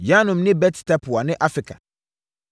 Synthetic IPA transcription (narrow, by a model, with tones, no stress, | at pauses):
ja˦nʊ̃˨mnɪ̃˦bɛ˦ttɛ˦pʰʊ˨a˨nɪ̃˦ʔa˦fɪ˨kʰa̰˨